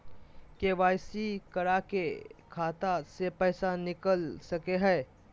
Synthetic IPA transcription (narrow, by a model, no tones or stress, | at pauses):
keʋaːjsikəɾakekʰaːt̪asepɛːsanɪkəlsəkeɦɛː